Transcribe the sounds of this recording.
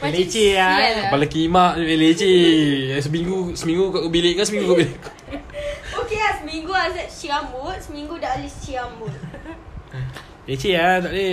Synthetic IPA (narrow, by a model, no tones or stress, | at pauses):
let͡ʃeabalakimaʔelet͡ʃes̬əmiŋɡusəmiŋɡukaʔkubileʔkasəmĩŋɡukobileʔ | okeasəmiŋɡuasaʔ̚t͡ʃiambut̪̚səmiŋɡudaʔlit͡ʃiambut̪̚ | let͡ʃeat̪aʔde